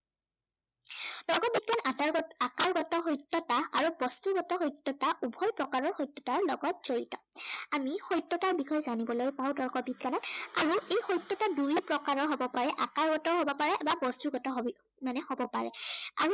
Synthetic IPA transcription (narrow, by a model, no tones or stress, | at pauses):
d̥ɔɹkɔbid̚ɡanataakaɹɡɔtɔɦɔjtːɔtaaɹubɔstuɡɔtɔxojtːɔtaʔubʱɔjpɹɔkaɹɔɹxojtːɔtaɹlɔɡɔt̚z̥oɹḭtɔamixɔjtːɔtaɹbixʰɔjɛzanibɔlojpaʊdɔɹkɔbid̚ɡanɔtaɹuejxɔjtːɔtaduɹipɹɔkaɹɔɹɦɔbɔpaɹɛʔakaɹɡɔtɔɦɔbɔpaɹɛbabɔstuɹɡɔtɔɦb | manɛhɔbɔpaɹɛ̰a̰ɹu